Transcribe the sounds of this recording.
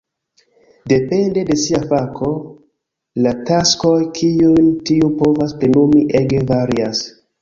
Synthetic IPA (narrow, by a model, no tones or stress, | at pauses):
de̞pe̞nde̞de̞siafakʰo̞ | latasko̞jkʰiujntiupo̞vaspɾenumiʔe̞ɡe̞vaɾias